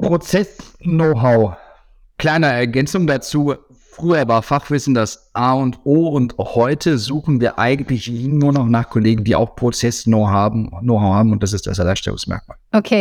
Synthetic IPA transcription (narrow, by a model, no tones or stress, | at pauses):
pʁ̥ot͡sɛsnoʊɦaʊ | kl̥aɪnəɛɐɡɛnt͡sʊŋdat͡suː | fʁ̥yːɐvaːɐfaχv̥ɪsn̩dasʔaːʊntʔoːʊnthɔʏtʰəzuːxn̩viːɐʔa̰ɪɡŋ̩tlɪçiɪnːuːɐnɔχnaːχkʰɔleːɡŋ̩diːʔa̰ʊxpʁ̥ot͡sɛsnoʊɦaːbm̩noʊhaʊhaːbm̩ʊnt̚d̥as̬ɪst̚d̥a̰salaʃtɛ̰lʊ̰ŋsmɛ̰ɐk̚maːlʔokʰeː